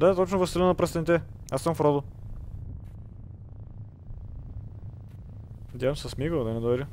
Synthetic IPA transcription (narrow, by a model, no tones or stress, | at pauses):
d̪at̪ɔt͡ʃnʊvəst̪ilʲnnɐpɾɐst̪ɐnit̪ɛasːəmfɾɔd̪ʊ | nɐd̪ʲjavɐmssɐsmiɡlˠd̪ɐnɛd̪oɛɾʲə